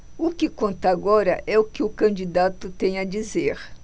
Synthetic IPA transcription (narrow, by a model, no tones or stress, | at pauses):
ʊkɪkõnt̪ɐaɡɔɾɐʔɛʊkɪʊkɐ̃nd͡ʒid̪at̪ʊt̪ẽj̃ɐd͡ʒizeɾ